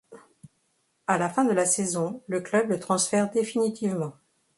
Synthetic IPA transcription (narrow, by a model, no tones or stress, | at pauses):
alafɛ̃d̪əlasezɔ̃ləklœblət̪χɑ̃sfɛʁd̪efinit̪ivmɑ̃